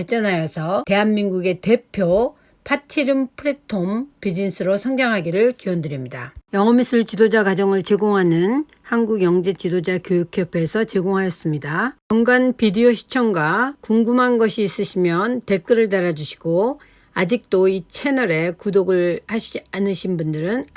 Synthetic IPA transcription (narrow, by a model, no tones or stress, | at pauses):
ʌt͡ɕ͈ʌnajʌsʰʌte̞ɦanmiŋɡuɡe̞te̞pʰjo | pʰatʰiɾɯmpʰɯɾetʰompid͡ʑins͈ʰɯɾosʰʌŋd͡ʑaŋɦaɡiɾɯɭkiwʌndɯɾimɲidajʌŋʌmis͈ʰɯɭt͡ɕidod͡ʑakad͡ʑʌŋɯɭt͡ɕe̞ɡoŋɦanɯn | hanɡuɡjʌŋd͡ʑet͡ɕidod͡ʑakjojukʰjʌpʰeːsʰʌt͡ɕe̞ɡoŋɦajʌs͈ɯmɲidakʌŋɡanpidioɕʰi̥t͡ɕʰʌŋɡwakuŋɡumɦanɡʌɕʰiːs͈ɯɕʰimjʌnte̞k͈ɯɾɯɭt̬aɾad͡ʑuɕʰi̥ɡ̥o | ad͡ʑik̚t͈oit͡ɕʰe̞nʌɾe̞kudoɡɯɭhaɕʰianɯɕʰinbundɯɾɯn